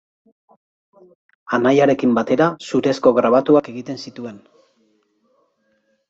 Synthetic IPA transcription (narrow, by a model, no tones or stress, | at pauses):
anajaɾe̞kimbat̪e̞ɾasuɾe̞sko̞ɣɾaβ̞at̪uake̞ɣit̪e̞nsit̪ue̞n